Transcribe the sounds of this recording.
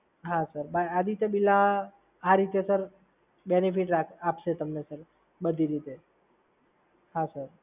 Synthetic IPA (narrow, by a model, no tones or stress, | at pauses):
ɦãsəɾbajad̪it̪əbilã | aɾit̪esəɾ | benipʰiʈɾakʰapʃet̪əmnesəɾ | bəd̪ʱiɾit̪e | ɦãsəɾ